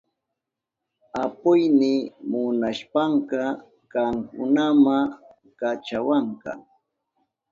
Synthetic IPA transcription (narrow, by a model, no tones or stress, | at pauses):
apʊjnɪmʊnaʃpaŋkɑ | kaŋkʊ̰nama | kat͡ʃawaŋka̰